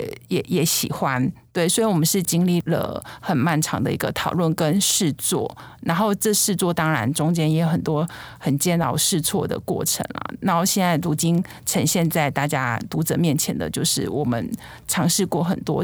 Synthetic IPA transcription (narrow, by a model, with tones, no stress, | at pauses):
jɛ˨˩˦jɛ˨˧˥ɕḭ˨˩xwa˦nt̪we˥˩ɪswɔ˧˥i˧˥wɔ˨˩mə˧˦nʂɻ̩˥˩t͡ɕi˥ŋli˥˩lə̰˩xə˨˩nma˥˩nʈ͡ʂʰɑ˧˥ŋd̪ə̰˧ḭ˧˥ɡə˧t̪ʰɑ˨˩ʊlwə˥˩nkə˥nʂɻ̩˥˧t͡swɔ̰˥˩na˧˥nxo˥˧ʊʈ͡ʂɤ˥˧ʂɻ̩˥˧t͡swɔ˥˨˩t̪ɑ˥ŋɻa̰˧˥nʈ͡ʂʊ˥ŋt͡ɕjɛ˥njɛ˧˥jo˨˩xə˨˩nt̪wɔ˥xə˨˩nt͡ɕjɛ˥˧nt̪ɑ̰˥˧ʊʂɻ̩˥˧t͡sʰwɔ˥˩d̪ə̰˩kwɔ̰˥˩ʈ͡ʂʰə̰˧˥ŋlɐ̰˨˩na˨˧˥nxo˥˧ʊɕjɛ˥˧nt͡sa˥˩ɪlu˧˥t͡ɕi˥n | ʈ͡ʂʰə˧˥ŋɕjɛ˥˧nt͡sa˥˧ɪt̪a˥˩t͡ɕja̰˥t̪u˧˥t͡sə˨˦mjɛ˥˩nt͡ɕʰjɛ̰˧˥nd̪ə̰˨t͡ɕjo˥˧ʊʂɻ̩˥˩wɔ˨˩mə̰˦n | ʈ͡ʂʰɑ˧˥ŋʂɻ̩˥˧kwɔ˥˩xə˨˩nt̪wɔ̰˥